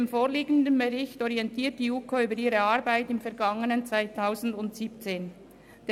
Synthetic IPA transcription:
mfoːʁliːɡən̩dənbəʁɪçtɔʁiɛntʰiːɐt̚d̥iːuːkʰoyːbəɾiːʁəaʁbaɪtɪmfɛɐɾɡɑŋənənt͡sv̥aɪtʰaʊzn̩dʊntsiːp̚t͡seːn | d̥e

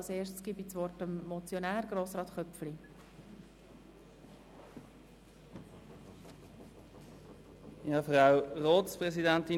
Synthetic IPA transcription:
lseːʃtsɡ̥ibisʋɔrtəmmɔt͡sjonæːɾɡ̥ɾoːsɾɑːt̪χœpfli | ɑfʁaʊʁoːspʁɛsidænt̪i

